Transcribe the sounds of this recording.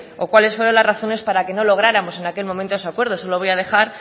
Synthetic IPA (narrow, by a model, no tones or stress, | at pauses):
okwale̞sfweɾo̞nlazraθo̞ne̞spaɾake̞no̞lo̞ɣ̞ɾaɾamo̞se̞nake̞lmomẽnt̪oes̬akwe̞ɾð̞osoloβo̞jað̞e̞xaɾ